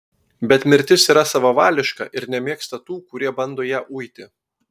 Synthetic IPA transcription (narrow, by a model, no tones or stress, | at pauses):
bʲɛt̪mʲɪɾʲt̪ʲɪsiːɾɐsɑːʋɐʋɑːlʲɪʃkɐ̰ʔɪɾnʲɛmʲiɛkst̪ɐt̪uːkʊɾʲiɛbɐnd̪oːjæːʔuːjt̪ʲɪ